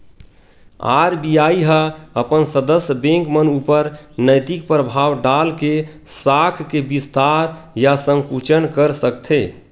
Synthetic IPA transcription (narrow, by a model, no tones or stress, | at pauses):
a̰ɾbiaiɦəəpənsəd̪əsjəbẽŋkmənupəɾnəjt̪ik̚pɾəbʱawɖalke | sakʰkebist̪aɾjasə̃ŋkut͡ʃənkəɾsək̚t̪ʰe